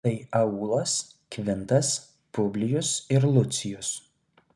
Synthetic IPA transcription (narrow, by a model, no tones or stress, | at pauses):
ɐɪɐuːlˠɐskʋʲɪnt̪ɐs | pʊbʲlʲɪjʊsɪɾlˠʊt̪sʲɪjʊs